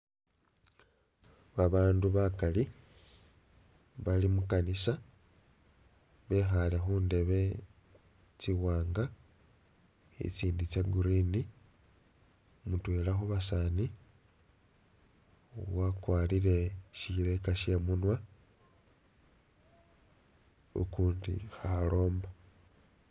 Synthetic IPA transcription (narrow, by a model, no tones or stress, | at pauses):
βaβaːnduβakali | βalimukanisa | βe̞xalexuːnde̞βe̞ | t͡siwaːŋɡa | ḭt͡siːndit͡saɡuɾini | mutweːlaxuβasani | wakwaːliɾe̞ʃile̞kaʃe̞munwa | ṵkuːndḭxalo̞ːmba